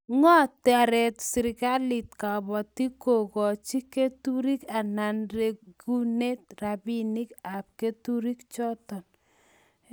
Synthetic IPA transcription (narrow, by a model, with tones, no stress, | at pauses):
ŋɔ˦ta˨ɾɛ˨tsɪ˨ɾka˦li˨tka˨bɔ˨ti˦ko˨kɔ˨t͡ʃi˦ke˦tu˦ɾi˦ka˨na˨nre˨ɡu˦ne˦t̚ra˨bi˦ni˦ka˨p̚ke˦tu˦ɾi˦kt͡ʃɔ˦tɔ˨n